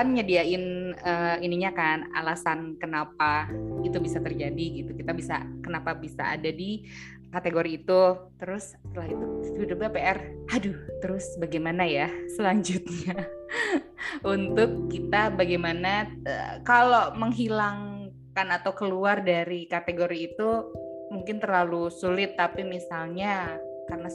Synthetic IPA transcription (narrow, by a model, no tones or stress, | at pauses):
anɲadiaɪnəiniɲakana̰lasankənapait̪ubisat̪ərd͡ʒadiɡit̪ukit̪abisa̰kənapabisa̰a̰dadi | kat̪eɡoɾiːt̪ut̪əɾʊs | t̪əlahit̪uudubapeɛradut̪əɾʊsbaɡajmanajasəlaɲd͡ʒʊt̪̚ɲa | unt̪ʊkːit̪abaɡajmanaə̰kaloməŋɦilaŋ | kanat̪awkəluardaɾikat̪eɡoɾiːt̪u | muŋkɪnt̪ərlalusulɪt̪ːapimisalɲakarəna